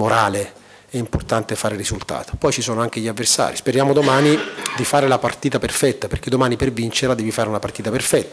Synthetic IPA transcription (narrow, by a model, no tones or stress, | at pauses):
moɾaːle | ɛimport̪ant̪efaːɾerizult̪a̰ːt̪o̥pɔjt͡ʃisɔːnoaŋk̟eʎːiavːersa̰ːɾispeɾjaːmod̪omaːnid̪ifaːɾelapart̪iːt̪aperfɛt̪ːaperk̟ed̪ːomaːnipervint͡ʃeɾad̪ɛːvifaːɾeunapart̪iːt̪aperfɛt̪ːa